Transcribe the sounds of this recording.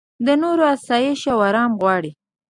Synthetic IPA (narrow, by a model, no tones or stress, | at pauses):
d̪ənoɾoasɑjeʃawaɾɑmɣwɑɽi